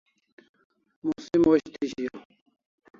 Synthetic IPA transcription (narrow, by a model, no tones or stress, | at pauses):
musimwoɕt̪ʰiɕijo